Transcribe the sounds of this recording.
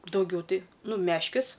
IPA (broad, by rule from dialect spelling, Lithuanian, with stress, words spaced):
dɐʊˈɡʲɛʊ ˈtɐɪ ˈnʊ ˈmʲæːʃʲkʲɪs